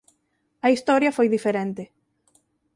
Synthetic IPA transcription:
ɐist̪ɔɾjɐfojðifeɾent̪ɪ

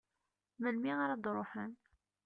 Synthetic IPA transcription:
məlmiʁaɾˤad̪ɾˤoħə̰n

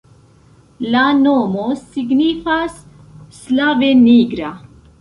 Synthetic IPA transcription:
lanomosiɡnifasː | laveniɡɾa

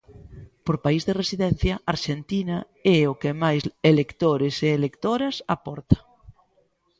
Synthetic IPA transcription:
poɾpaizðeresiðɛn̟θjɐaɾʃent̪inɐ | ɛokemajselekt̪oɾeseːlekt̪oɾɐsapɔɾt̪ɐ̥

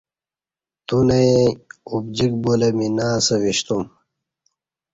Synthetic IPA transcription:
t̪unɐeubd͡ʑik̚bolɐminaːsɐwiɕt̪um

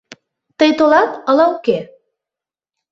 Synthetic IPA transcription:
t̪əjt̪olɑt̪əlɑuke

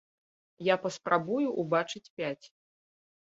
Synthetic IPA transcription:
japɐspɾʔabujuʔubat͡ʂɨt͡sʲpʲat͡sʲ

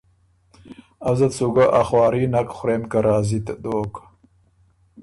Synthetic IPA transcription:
azɐt̪suɡaʔaχwɑːɾiːnakχʊɾemkɐɾaːzit̪d̪oːk

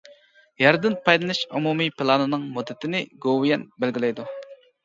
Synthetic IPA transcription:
jɛɾd̪ɪnpʰɑjlˠɨnɨʃumumipʰɪlˠɑnɨnɨŋmud̪ːɪt̪ʰɪnɪɡowjɛnbælɡʲilɛjd̪u

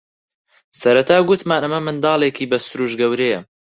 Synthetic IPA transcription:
sɐɾɐt̪ʰaːɡʊt̪maːnʔɐmɐmɨnd̪ɑːlˠeːkʰiːbɐsʊɾuːʒɡɐwɾejɐ

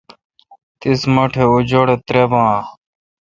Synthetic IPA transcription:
t̪isməʈʰeud͡ʑoɽet̪ɾebãː

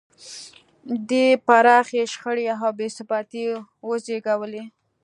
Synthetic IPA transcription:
d̪epaɾɑxeʃxəɽeaɦawbesɪbɑt̪iwəzeɡawəle

